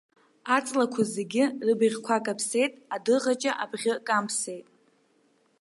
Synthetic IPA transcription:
at͡sʼlakʷʰazeɡʲɪrɨbɨʁʲkʷʰakʼapʰse̞jtʼadɨʁat͡ʃʼaʔabʁʲɪkʼampʰse̞jtʼ

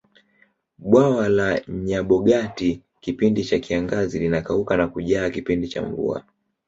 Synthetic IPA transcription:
ɓwawalaɲaɓɔɠati | kipindit͡ʃakiaŋɡazilinakaukanakuʄaːkipindit͡ʃa̰ɱvṵa̰

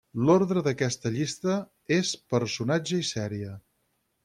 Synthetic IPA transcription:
lɔɾðɾəðəkɛst̪əʎist̪ə | espəɾsunad͡ʒəisɛɾiə

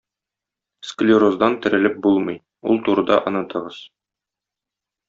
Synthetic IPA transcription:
sklʲɪɾozd̪ɑnt̪ɘ̆ɾɘ̆lɘp̚bulˠmɤj | ṵlˠt̪uɾɤ̆d̪ɑ̰ʔɤ̆nɤ̆t̪ɤ̆ʁɤz

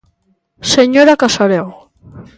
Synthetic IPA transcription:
seɲoɾakasaɾew

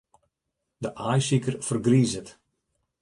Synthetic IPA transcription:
dəʔajsikərfərɡriːzət

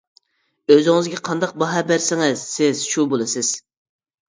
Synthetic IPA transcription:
øzɪŋɪzɡʲɛqʰɑnd̪ɑq̚bɑɦɑbæɾsɪŋɪz̥sɪz̥ʃubolˠɨsɪz̥

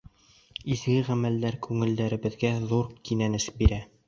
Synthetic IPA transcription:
izɡɘʁæmæld̪æɾkʉŋɘ̆ld̪æɾɘ̆βɘ̆ðɡæðuɾkinænɘʃbiɾæ

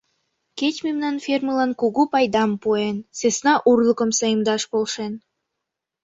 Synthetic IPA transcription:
ket͡ɕmemnɑnferməlɑnkuɣupɑjd̪ɑmpuensesnɑʔurlukə̆msɑjəmd̪ɑʃpolʃen

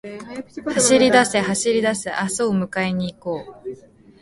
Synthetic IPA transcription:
haɕiɾʲid̪ase̞haɕiɾʲid̪aseʔasoomɯ̟kae̞ɲ̟iːko̞ː

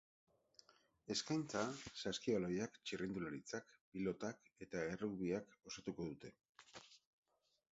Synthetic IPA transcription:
e̞skajnt͡sasaskialo̞jakt͡ʃirind̪ulaɾit͡sakpilo̞t̪ake̞t̪aeruβiako̞sat̪uko̞ðut̪e̞

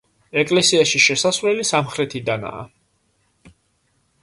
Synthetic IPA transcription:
ɛkʼlɛsiaʃiʃɛsasvlɛlisamχɾɛt̪ʰid̪ana̰ː

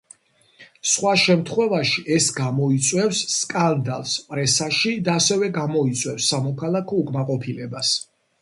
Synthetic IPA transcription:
sχwaʃɛmt̪ʰχwɛvaʃiʔɛsɡamɔit̪sʼwɛfsːkʼand̪alˠspʼɾɛsaʃid̪aːsɛvɛɡamɔit̪sʼwɛfsːamɔkʰalˠakʰɔukʼmaqʼɔpʰilɛbas

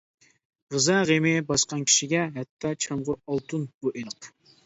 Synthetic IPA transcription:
ʁəzɛʁemɪbɑsqɑnkʲʰi̥ʃiɡʲɛɦɛt̪ʰːɑt͡ʃʰɑmʁʊɑlˠt̪ʰunb̥uʔelˠəq

